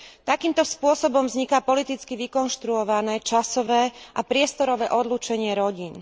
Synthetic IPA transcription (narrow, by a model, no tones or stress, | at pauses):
t̪akiːmt̪ɔspʊɔsɔbɔmvzɲikapɔlit̪it͡skiʋikɔnʃt̪ɾuɔʋanɛt͡ʃasɔʋɛːʔapɾɪɛst̪ɔɾɔʋɛːʔɔd̪luːt͡ʃɛɲɪɛɾɔɟiːn